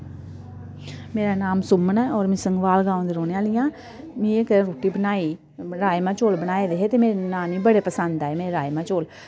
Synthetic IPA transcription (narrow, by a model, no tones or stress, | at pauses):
meːɾaːnaːmsʊmːənɛːɔːɾmɛ̃ːsəŋɡʋaːlɡãːõnd̪eːɾoːneaːlɪjãː | mĩekəɾoːʈiːbənaːiː | ɾaːjmãːt͡ʃoːlbənaːed̪eɦet̪emeːɾenaːmiːbəɽeːpəsə̃nd̪aɛːmeːɾeɾaːjmãːt͡ʃoːl